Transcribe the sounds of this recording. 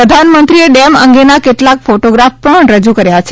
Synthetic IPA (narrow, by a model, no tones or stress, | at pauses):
ɾəd̪ʱanmənt̪ɾieɖɛməŋɡenakeʈlakfoʈoɡɾafpəɳɾəd͡ʒukəɾjat͡ʃʰ